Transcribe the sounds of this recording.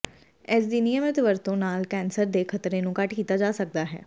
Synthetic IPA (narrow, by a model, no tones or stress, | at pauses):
ɪs̬d̪iːnijəmɪt̪ʋəɾt̪õːnaːlkɛːnsəɾd̪eːkʰət̪ɾeːnũːkəʈkiːt̪aːd͡ʒaːsək̚d̪aːɦɛ̰ː